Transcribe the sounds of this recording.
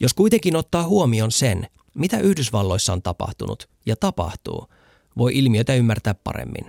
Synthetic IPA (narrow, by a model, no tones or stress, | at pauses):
jo̞skujt̪e̞ŋkinot̪ːɑːhuomio̞nsen | mit̪æʔyhdysʋɑlːo̞jsːɑont̪ɑpɑ̰ht̪unṵt̪ | jɑt̪ɑpɑ̰ht̪ṵː | ʋo̞jʔilmiøjt̪æymːært̪æːppɑ̰ɾḛmːḭn